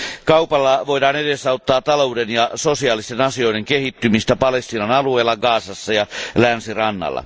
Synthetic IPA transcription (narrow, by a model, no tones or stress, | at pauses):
kɑupɑlːɑʋoidɑːnedesːɑot̪ːɑːtt̪ɑloudenjɑsosiɑːlist̪enɑsio̞jdeŋkehit̪ːymist̪æpɑlest̪iːnɑnɑlueːlːɑɡɑːsɑsːɑjɑlænsirɑnːɑ̰lːɑ̰